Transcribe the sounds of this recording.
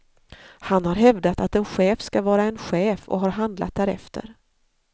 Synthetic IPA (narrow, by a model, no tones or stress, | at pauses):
hanhaɾɦɛvd̪at̪at̪ɛnɧɛːfskavɑːɾaɛnɧɛːfɔ̰ɦaɾɦand̪la̰t̪̚d̪æːɾɛ̰ft̪ʰə̰ɾ